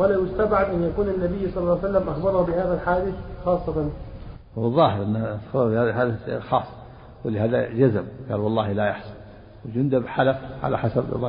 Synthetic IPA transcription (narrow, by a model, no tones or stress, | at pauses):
walajʊst̪abʕad̪ʔanjakuːnɪnːabɪjːsˤɑlːlːɑːsalːamʔaxbɑɾˤhubɪhaːðælħaːd̪ɪθxɑːsˤːɑt̪ɑn | wɑðˤːɑːhɪɾʔɪnːaxɑɾˤɾbɪhaːðalħaːd̪ɪxɑːsˤːɑ̥ | wɪlɪhaːðad͡ʒazamɡa̰ːlwɑlˤːɑːhlajɑħsɑ̥n | wɪd͡ʒʊnd̪abħalafʕa̰la̰ħasab̰ˤɑ